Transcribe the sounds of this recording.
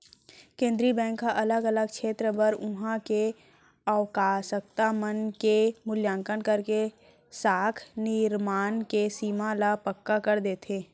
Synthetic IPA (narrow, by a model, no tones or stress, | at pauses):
kẽːnd̪ɾibɛ̃ːŋkaʔɐləɡələɡ̚kʃʰeːt̪ɾəbəɾʊɦãke | əwkaːsək̚t̪amənkemʊljãːŋkənkəɾke | saːk̪ʰnɪɾmaːnkesiːmalapəkːakəɾd̪eːt̪ʰeː